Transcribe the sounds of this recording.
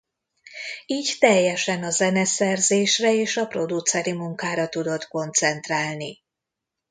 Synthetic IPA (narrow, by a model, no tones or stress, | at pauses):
iːɟt̪ɛjːɛʃɛnɒzɛnɛsɛrzeːʃrɛeːʃɒpro̞d̪ut̪sɛɾimuŋkaːɾɒt̪ud̪o̞t̪ko̞nt̪sɛnt̪raːlni